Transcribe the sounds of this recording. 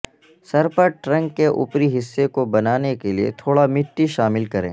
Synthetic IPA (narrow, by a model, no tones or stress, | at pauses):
sɐɾpəʈɾɐ̃ŋɡːeʔʊ̰pɾiɦɪsːekobɐnaːnekeliḛt̪ʰoːɽamɪʈːiʃaːmɪlkɐɾḛ̃ː